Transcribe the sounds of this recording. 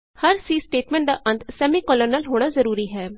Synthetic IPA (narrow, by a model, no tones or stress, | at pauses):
həɾsiːsʈeːʈmɛ̃ːɳʈ̚d̪aːʔə̃nt̪ʰsɛːmikɔːləɾnaːlɦoːɽ̃aːzəɾuːɾiːɦɛː